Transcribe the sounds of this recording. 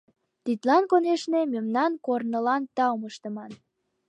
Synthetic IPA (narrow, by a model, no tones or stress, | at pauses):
t̪it̪lɑnkoneʃnememnɑnkornəlɑnt̪ɑwməʃt̪ə̆mɑn